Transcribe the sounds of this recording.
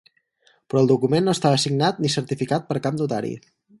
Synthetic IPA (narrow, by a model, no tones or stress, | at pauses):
pɾɔəlˠd̪ukumenːoəst̪aβəːsiɡnat̪̚nisəɾt̪ifikat̪̚pəɾkamd̪ut̪a̰ɾḭ